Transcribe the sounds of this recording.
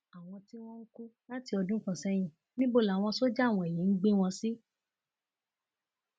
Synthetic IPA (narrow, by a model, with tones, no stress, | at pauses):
a˨w̃ɔ̃˧ti˦w̃ɔ̃˦ŋ̩˦ku˦la˦ti˧ɔ˧dũ˦kã˦˨sɛ˦j̃ĩ˨ | nĩ˦bo˦˨la˨w̃ɔ̃˧so˦d͡ʒa˦˨w̃ɔ̃˧˨e˨ji˨˦n̩˦ɡ͡be˦w̃ɔ̃˧si˦